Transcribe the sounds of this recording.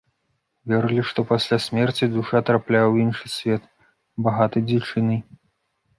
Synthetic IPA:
vʲɛɾɨlʲiʂt̪ɔpasʲlʲasʲmʲɛrt͡sʲid̪uʂat̪ɾaplʲawinʂɨsʲvʲɛt̪ | baɣat̪ɨd͡zʲɛwt͡ʂɨnɨ

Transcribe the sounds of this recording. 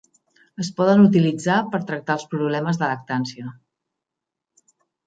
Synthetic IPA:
əspɔðənut̪̬ilid͡zapəɾt̪ɾək̚t̪aəlˠspɾuβlɛməzðələk̚t̪ansiə

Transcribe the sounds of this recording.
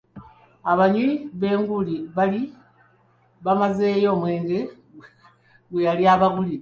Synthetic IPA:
aβaɲiiβe̞ːŋɡuliβali | βamazeːjo̞mweːŋɡe | ɡwejaliaβaɡuli

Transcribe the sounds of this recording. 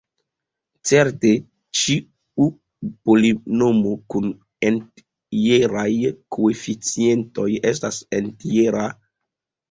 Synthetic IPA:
t͡seɾte̞ | t͡ʃi | u | polino̞mokun | ent | ieɾajkʰoefit͡sie̞nto̞jestasentieɾa

